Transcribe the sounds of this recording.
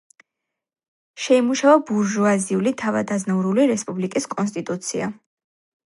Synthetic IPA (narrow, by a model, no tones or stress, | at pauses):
ʃɛimuʃavabuɾʒuaziulit̪ʰavad̪aznavuɾuliɾɛspʼublikʼiskʼɔns̬t̪ʼit̪ʼut̪sʰia